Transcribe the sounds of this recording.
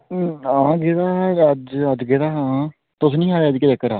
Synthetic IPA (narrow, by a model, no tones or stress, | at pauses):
ãːɡeːd̪aːəd͡ʒəd͡ʒɡed̪aːɦã | t̪ʊsnĩːãːd̪eːəd͡ʒkɪd̪ekːəɾaː